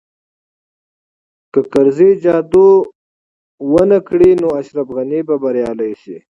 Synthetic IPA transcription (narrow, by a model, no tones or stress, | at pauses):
kəkaɾzid͡ʒɑːd̪u | wənakɽinoaʃɾafɣanibabaɾjɑːlajʃḭ